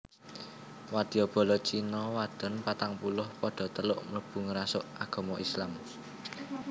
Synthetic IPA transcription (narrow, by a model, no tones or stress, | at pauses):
wad̪̥i̤ɔb̥ɔ̤lɔt͡ʃinɔwad̪̥ɔ̤npat̪aŋpulʊhpɔɖ̥ɔ̤t̪əlʊʔmələb̥ṳŋɾasʊʔaɡ̥ɔ̤mɔʔislam